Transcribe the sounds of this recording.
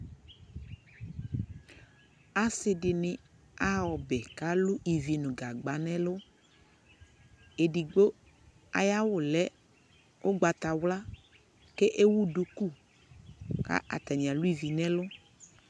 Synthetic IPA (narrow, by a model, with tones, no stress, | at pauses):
a˨sɪ˨ɖɪ˨nɪ̃˨ | a˦wɔ˨bɛ˨ka˦lʊ˦ʔi˨vi˨nʊ̃˨ɡa˨ɡ͡ba˨nɛ̃˦lʊ˦ | e˨ɖi˨ɡ͡bo˦ | a̰˨ja˦wʊ˨lɛ˦ | o˦ɡ͡ba˨t̪a˨wla˦ | ke˦ʔe˦wu˦ɖu˦ku˦˨ | ka̰˦ʔa̰˨t̪a˨ɲĩ˨a˨lʊ˦i˨vi˨nɛ̃˦lʊ˦